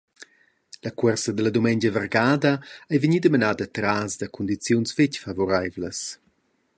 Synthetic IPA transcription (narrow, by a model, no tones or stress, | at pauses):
lakwɛrsəd̪əlɐd̪umɛnd͡ʒəvərɡaːd̪ɐajviɲid̪əmənaːd̪ət̪ɾazd̪ɐkʰund̪it͡sjunsfecfavɔɾajvləs